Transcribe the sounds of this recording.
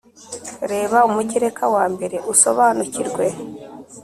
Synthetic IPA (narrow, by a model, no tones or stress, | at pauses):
ɾe̞ːβaumuɟiɾekʰawaːmbe̞ɾe̞ʔuso̞̰βaːnuciɾɡwe̞